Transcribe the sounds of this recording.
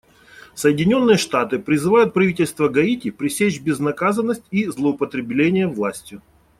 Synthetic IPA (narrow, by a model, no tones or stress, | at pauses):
səjɪdʲɪnʲo̞nːɨjəʂt̪at̪ɨpɾʲɪzɨvajʊt̪̚pɾɐvʲitʲɪlʲst̪vəɡɐitʲɪpɾʲɪsʲet͡ɕbʲɪznɐkazənːəsʲtʲizlˠəʊpət̪ɾʲɪblʲenʲɪjəvlˠasʲtʲʊ